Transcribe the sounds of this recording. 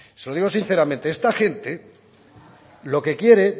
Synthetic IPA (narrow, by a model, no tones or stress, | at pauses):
selo̞ðiɣo̞sin̟θe̞ɾamẽnt̪eest̪axe̞nt̪e̞ | lo̞ke̞kje̞ɾe̞